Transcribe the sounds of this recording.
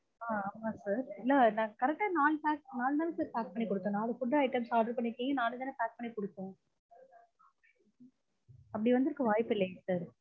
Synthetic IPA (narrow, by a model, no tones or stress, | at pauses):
aːaːmaːsaːɾɪlːɐnãːkɐɾɛk̚ʈːaːnaːlpaːk̚naːlnaːlsaːɾpaːk̚pɐɳːikɔɽɯt̪ːõːnãːɐðɐkʊʈːɐɐɪʈːɐmsaːʈɐɖpɐɳːɪɾɯkːẽŋɡɐnaːlɯd̪ɐːnːɐpaːk̚pɐɳːikɔɽɯt̪ːõ | ɐpːɐɽiʋɐnd̪ɪɾɯkːɐ̃ʋaːjpːɪlːɐjsaːɾ